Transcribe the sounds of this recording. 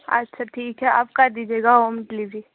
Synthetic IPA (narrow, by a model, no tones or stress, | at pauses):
ɐ̰tːʃʰaʈʰiːkɦɛʔa̰ːp̚kad̪iːd͡ʒeːɡaɦomɪʈlibi